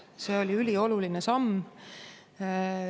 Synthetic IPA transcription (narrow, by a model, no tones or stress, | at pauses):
se̞ːo̞lʲiylʲio̞lulinesɑm